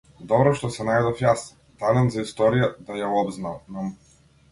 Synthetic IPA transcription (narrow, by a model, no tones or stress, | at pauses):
d̪ɔbɾɔʃt̪ɔsɛnajd̪ɔfjas | d̪alɛnzaist̪ɔɾijad̪ajaɔbznalnam